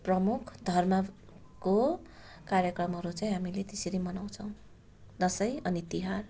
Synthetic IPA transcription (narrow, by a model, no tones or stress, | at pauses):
prʌmukʰd̪ʱʌrmʌ | ko | kaɾjʌkrʌmɦʌɾut͡saĩɦamilet̪esiɾimʌnaw̃t͡sʰʌw̃ | d̪ʌsʌjʌnit̪iɦar